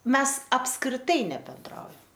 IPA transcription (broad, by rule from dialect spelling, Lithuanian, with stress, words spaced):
ˈmʲɛs ɐpskrʲɪˈtɐɪ nʲɛbʲɛnˈdrɐʊjɛm